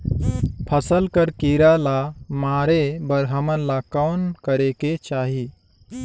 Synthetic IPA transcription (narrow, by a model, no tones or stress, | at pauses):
pʰəsəlkəɾkiɾalamaːɾebəɾɦəmənlakaːnkəɾeket͡ʃaːɦi